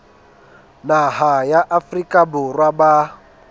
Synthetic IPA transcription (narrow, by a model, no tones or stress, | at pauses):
naɦajaʔafrikʼaburwaba